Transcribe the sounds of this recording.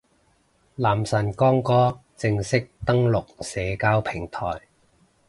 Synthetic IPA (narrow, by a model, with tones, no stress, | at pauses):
laː˨˩msɐ˨˩nkɔː˥ŋkɔː˥t͡sɪ˧ŋsɪ˥k̚t̪ɐ˥ŋlʊ˨k̚sɛː˨˧kaː˥wpʰɪ˨˩ŋt̪ʰɔ̰ː˨˩j